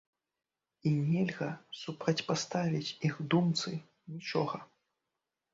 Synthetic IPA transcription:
inʲɛlʲɣɐsupɾɐt͡sʲpast̪avʲit͡sʲixd̪umt̪sɨ | nʲit͡ʂɔɣɐ

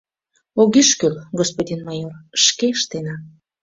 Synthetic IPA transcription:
oɣiʃkølɡospodʲinmɑjorʃkeəʃt̪enɑ

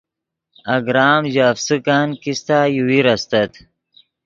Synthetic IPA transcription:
aɡɾaːmʑafsɨkankist̪aːjuwiɾɐst̪ɐt̪

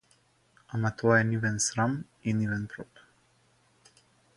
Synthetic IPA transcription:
amat̪ɔaɛnivɛnsɾam | inivɛnpɾɔp

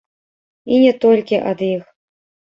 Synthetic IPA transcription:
inʲɛt̪ɔlʲkʲiʔɐd̪ix

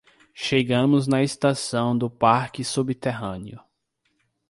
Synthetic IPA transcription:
ʃeɡɐ̃mʊznɐest̪asɐ̃w̃d̪ʊpaɾkɪsubit̪eɦɐ̃niʊ

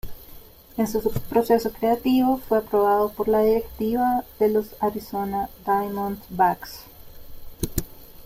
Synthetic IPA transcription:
ensuspɾo̞se̞sokɾeat̪iβofweapɾo̞βaðopoɾlaðiɾekt̪iβaðe̞lo̞saɾiso̞nad̪ajmõnd̪baks

